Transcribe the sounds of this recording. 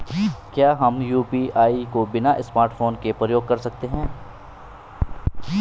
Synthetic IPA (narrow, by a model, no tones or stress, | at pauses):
kjaːɦɐmjuːpiʔaːikobɪnaʔɪsmaːɾʈfʰoːnkepɾɐjoːɡ̚kɐɾsɐk̚t̪eɦɛ̃ː